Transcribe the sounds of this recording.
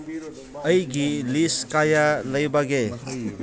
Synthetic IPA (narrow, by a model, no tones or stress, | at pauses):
ʌjɡiliskajalɐjbɐɡe